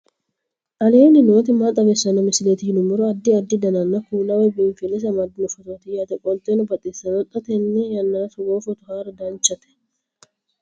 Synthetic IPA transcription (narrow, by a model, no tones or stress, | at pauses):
ʔɐleːnɪno̞ːt̪ɪmat̪ʼɐbɛsːɐnɐmɪsɪlet̪ɪhɪnʊmʊɾɔɐd̪ːɪɐd̪ːɪd̪ɐnɐnːɐkuːlɐwɛbɪɱfɪlːɛs̬ɐmɐd̪ɪnʊfɔt̪oːt̪ɪjaːt̪ɛkʼɔlt̪ʼenʊbɐt̪ʼesːɐnɔt̪ʼːɐt̪ɛnːɛjɐnːɐnɐsʊɡoːfɔt̪ʊhaːɾɐd̪ant͡ʃːɐt̪ɛ̥